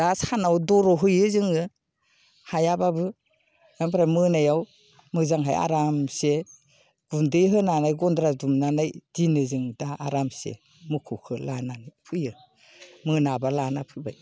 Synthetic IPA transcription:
d̥asanawdɔɾɔɦɯjɯzɯŋɯ | hajababɯ | ampʰɾajmɯnajaw | mɯzaŋɦa̰ja̰ɾamse | ɡ̥undɯjɦɯnanajɡɔndɾadumnanajdinɯzɯŋdaaɾamsḛ | mukʰukʰɯlananɯpʰɯjɯ | mɯnabalanapʰɯjba̰j

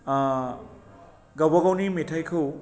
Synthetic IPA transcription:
ɡawbaɡawnimetʰajkʰɯw

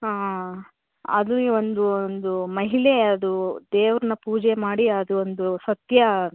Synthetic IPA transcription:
aː | ɐ̰d̪uiːʋo̞nd̪uond̪umɐɦileɐd̪ud̪eːʋɾɐnɐpuːd͡ʒemaːɽiɐd̪uond̪usɐt̪jɐ

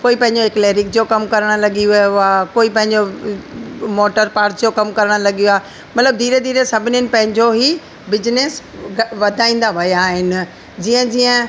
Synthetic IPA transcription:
koːipɐ̃ɦɪ̃ɲd͡ʑoekleːɾɪk̚d͡ʑokɐmkɐɾəɽ̃̆lɐɡiʋijoaːkoːipɐ̃ɦɪ̃ɲd͡ʑo | moːʈəɾpaːɾʈd͡ʑokɐmkɐɾəɽ̃̆lɐɡijuaː | mɐt̪ləb̚d̪ʱiːɾəd̪ʱiːɾəsɐbʱɪnɪnɪ̆pɐ̃ɦɪ̃ɲd͡ʑoɦi | bɪd͡ʑɪnesʋɐd̪ʱaːĩːn̆d̪aʋɐjaːɦɪnɪ̆ | d͡ʑiːə̃d͡ʑiːə̃

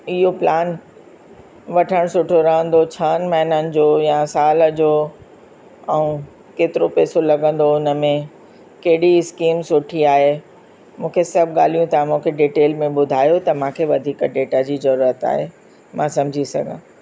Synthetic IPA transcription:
ɪɦoplaːn | ʋɐʈʰəɽ̃sʊʈʰoɾɐɦə̃nd̪ot͡ɕʰəːnmɐɦɪnənɪ̆d͡ʑoːjãsaːləd͡ʑoː | ɛũ | keːt̪ɪɾopeːsolɐɡə̃n̆d̪oʊnə̆mẽ | kɐɦɪɽiɪskiːmsʊʈʰiaːɦe | mũːkʰesɐbʱɠaːl̤ijũt̪ɐmũːkʰeɖiːʈeːlmẽɓʊd̪ʱaːjot̪ɐmãːkʰeʋɐd̪ʱiːkɖeːʈad͡ʑiːzɐɾuːɾət̪a̰ːɦe | mãsɐ̃md͡ʑʱisɐ̰ɡʱã̰ː

